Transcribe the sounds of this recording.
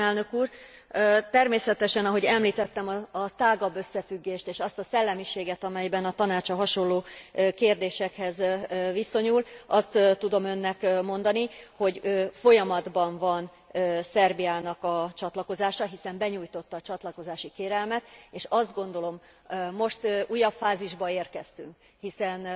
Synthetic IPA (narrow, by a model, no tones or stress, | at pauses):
ɛlnø̞kuːr | øt̪ɛrmeːsɛt̪ɛʃɛnɒɦo̞ɟɛmliːt̪ɛt̪ːɛmɒːt̪aːɡɒbːø̞sːɛfyɡːeːʃt̪eːʃɒst̪ɒsɛlːɛmiʃeːɡɛt̪ɒmɛjbɛnɒt̪ɒnaːt͡ʃɒɦɒʃo̞lːoːøkeːrd̪eːʃɛkhɛzʋiso̞ɲulʔɒst̪ːt̪ːud̪o̞mø̞nːɛkmo̞nd̪ɒniho̞ɟøfo̞jɒmɒd̪bɒɱvɒn | øsɛrbiaːnɒkɒt͡ʃɒt̪lɒko̞zaːʃɒɦisɛmbɛɲuːjt̪o̞t̪ːɒːt͡ʃɒt̪lɒko̞zaːʃikeːɾɛlmɛt̪eːʃɒzd̪ɡo̞n̪d̪o̞lo̞mː | o̞ʃt̪ʔujɒpfaːziʒbɒeːrkɛst̪yŋk | hisɛn